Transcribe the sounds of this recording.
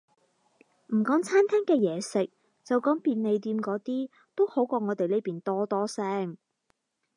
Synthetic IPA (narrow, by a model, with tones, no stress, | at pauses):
m̩˨˩kɔː˨˥ŋt͡sʰaː˥nt̪ʰɛː˥ŋkɛː˧jɛː˨˧sɪ˨k̚ | t͡sɐ˨˩wkɔː˨˥ŋpiː˨˧nne˨jt̪iː˧mkɔː˨˥t̪iː˥ | t̪o˥who˨˥wkʷɔː˧ŋɔː˨˧t̪e˨jle˨˧jpiː˨˩nt̪ɔː˥t̪ɔː˥sɛː˥ŋ